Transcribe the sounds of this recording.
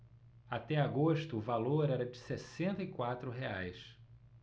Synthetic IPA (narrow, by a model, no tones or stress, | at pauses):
at̪ɛaɡoʃt̪ʊːvaloɾɛɾɐd͡ʒɪsesẽnt̪ɐikwat̪ɾʊɦeajs